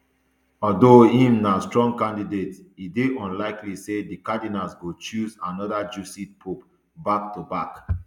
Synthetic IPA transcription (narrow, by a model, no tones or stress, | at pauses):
ɔdohĩmnastɹɔ̃ŋɡkãndidetideɔ̃nlaɪklisedikadinasɡot͡ʃuzanɔdad͡ʒusit̚pʰup | bak̚tubak